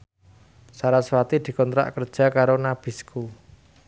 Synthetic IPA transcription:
saɾaswat̪id̪̥i̤kɔnt̪ɾa̰ʔkərd̥ʒ̥a̤kaɾonab̥i̤skʰu

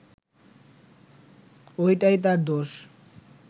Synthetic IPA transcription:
ojʈajt̪aɾd̪oʃ

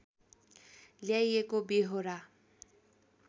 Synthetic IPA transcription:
ljajekobeɦoɾa

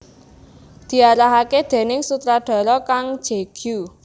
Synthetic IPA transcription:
d̪̥i̤aɾaɦaked̪̥e̤nɪŋsut̪ɾaɖ̪̥ɔ̤ɾɔkaŋ̥ʒ̥e̤ɡ̥ju

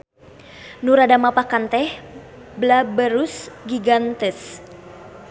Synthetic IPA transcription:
nuɾadamapakant̪ɛh | blabəɾusɡiɡant̪ɛs

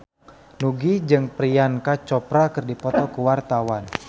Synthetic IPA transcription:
nuɡid͡ʒɨŋpɾijankat͡ʃɔpɾakərdipɔt̪ɔkəwart̪awan

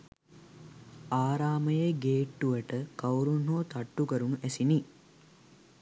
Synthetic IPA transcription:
aːɾaːməjeɡeːʈːuʋəʈəkɐwɾunɦoːt̪aʈːukəɾunæsini

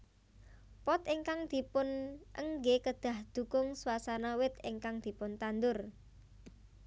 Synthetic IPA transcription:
pɔt̪iŋkaŋd̪̥i̤pʊnʔə̰ŋɡekəd̪̥a̤hd̪̥ṳkʊŋsuwasanawɪt̪ɪŋkaŋd̪̥i̤pʊnt̪and̪ʊr

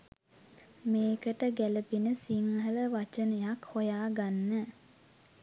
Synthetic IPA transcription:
meːkəʈəɡæləpinəsiŋhɦələʋat͡ʃənəjakhojaːɡanːə

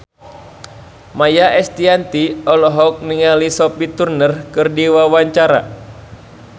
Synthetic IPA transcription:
majaʔɛst̪iant̪iɔlɔɦɔk̚niŋalisɔpit̪urnərkɨrdiwawaɲt͡ʃaɾa̰

